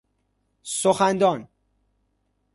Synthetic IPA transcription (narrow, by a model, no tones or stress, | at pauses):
soxænd̪ɒːn